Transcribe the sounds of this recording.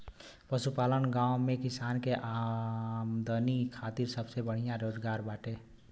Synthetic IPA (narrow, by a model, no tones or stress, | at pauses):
pəsupalənɡãw̃mekisankeʔa | md̪ənikʰat̪iɾsəbsebəɽ̤ijãɾod͡ʒɡaɾbaʈe